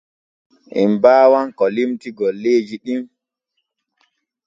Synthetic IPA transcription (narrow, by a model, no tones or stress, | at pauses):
ʔɛ̰mbaːwankɔlimtiɡɔlːeːd͡ʒiɗim